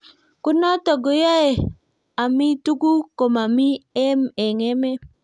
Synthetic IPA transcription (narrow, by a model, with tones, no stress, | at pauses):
kʊ˦nɔ˦tɔ˨ɡo˨ja˦e˨ | a˨mi˦tu˦ɡu˦ko˨ma˨mi˦ɛ˦mɛ˨ŋɛ˦me˦